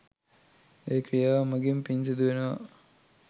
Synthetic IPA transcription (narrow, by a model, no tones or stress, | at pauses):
eːkrijaːʋmɐɡimpinsid̪uʋenəʋɐ̰